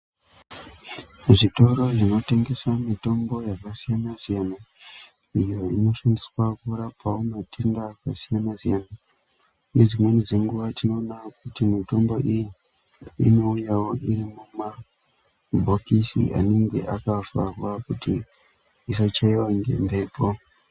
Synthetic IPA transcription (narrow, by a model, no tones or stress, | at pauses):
ʐito̞ɾo̞ʐino̞te̞ŋɡe̞samito̞mbo̞jakasijanasijana | ijo̞ino̞ʃandiswakuɾapawomatʰeŋdakasijanasijana | ne̞d͡zimwe̞nid͡ze̞ŋɡuʋatino̞ːnak̚utimito̞mbo̞ʔiji | ḭno̞ujawo̞ʔiɾimuma | bʱokisḭʔa̰neŋɡe̞̰ʔakafa̰rwakuti | isat͡ʃaiwaŋɡe̞̰mbepo